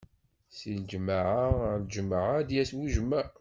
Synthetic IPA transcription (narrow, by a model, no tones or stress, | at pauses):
sind͡ʒmaʕand͡ʒəmaʕad̪jæswuʒəmːa